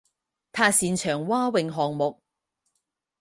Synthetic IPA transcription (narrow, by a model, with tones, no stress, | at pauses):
t̪ʰaː˧˥siː˨nt͡ʃʰœː˨˩ŋwaː˥wɪ˨˧ŋɦɔː˨ŋmʊ˨k̚